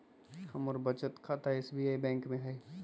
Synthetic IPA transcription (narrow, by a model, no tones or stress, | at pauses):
kʰɐmʊɾbɐt͡ʃət̪kʰaːt̪aɛɪːsbiaːibɛ̃ːŋkmẽɦɛː